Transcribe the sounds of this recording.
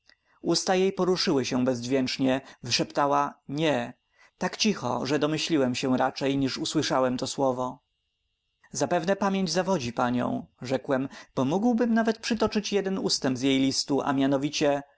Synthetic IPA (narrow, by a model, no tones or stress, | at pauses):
ust̪ajejpɔɾuʂɘwɘɕɛbɛzvʲjɛnt͡ʂɲɛvɘʂɛpt̪awaɲɛ | t̪akt͡ɕixɔ̰ʐɛd̪ɔmɘɕlʲiwɛmɕɛɾat͡ʂɛjɲiʂuswɘʂawɛmt̪ɔswɔvɔ | zapɛvnɛpamʲjeɲd͡ʑzavɔd͡ʑipaɲɔ̰̃w̃ʐɛkwɛmb̥ɔmuɡwbɘmnavɛt̪̚pʂɘt̪ɔt͡ʂɘt͡ɕjɛd̪ɛnust̪ɛmbzʲjejlʲist̪uʔa̰mʲjanɔvʲit͡ɕɛ